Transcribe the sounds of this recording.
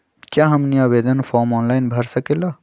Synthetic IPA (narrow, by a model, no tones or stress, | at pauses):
kjaːɦɐmniaːbeːd̪ənfoːɾmɔːnlaːjnbʱɐɾsɐkeːlaː